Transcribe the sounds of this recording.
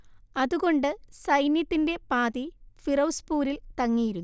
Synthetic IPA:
ɐðuɣo̞ɳɖɨsɐjnjɐt̪ːinde̞paːðifirɐwspuːɾilt̪ɐŋːijiɾunː

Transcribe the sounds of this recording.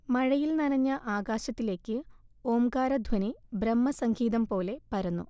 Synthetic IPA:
mɐɻɐjilnɐɾɐɲːɐʔaːɡaːɕɐt̪ːile̞ːkːɨo̞ːmɡaːɾɐd̪ʱwɐnibɾɐmːɐsɐŋɡʰʱiːðɐmpo̞ːle̞pɐɾunːṵ

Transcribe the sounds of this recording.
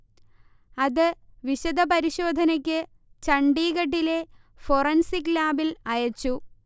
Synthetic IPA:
ɐðɨʋiɕɐd̪ʱɐpɐɾiɕo̞ːd̪ʱɐnɐk̬ʲːɨ | t͡ɕɐɳɖiːɣɐʈ̬ːile̞ | forɐnsiklaːbilɐjɐt͡ɕːu

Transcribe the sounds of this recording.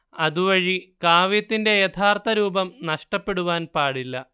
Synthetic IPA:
ɐðuʋɐɻikaːʋit̪ːinde̞jɐt̪ʰaːrt̪ʰɐɾuːbɐmnɐʂʈɐpːe̞ɽuʋaːnpaːɽilːɐ̰

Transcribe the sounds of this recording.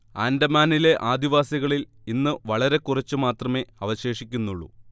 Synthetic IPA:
aːndɐmaːnile̞ʔaːd̪iʋaːsɐɣɐɭil | inːɨʋɐɭɐɾe̞kurɐt͡ɕːɨmaːt̪rɐme̞ɐʋɐɕe̞ːʂikʲːunːuɭːṵ

